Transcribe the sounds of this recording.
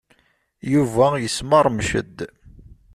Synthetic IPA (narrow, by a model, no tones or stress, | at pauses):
juvæjəsməɾˤmʃə̰d̪ː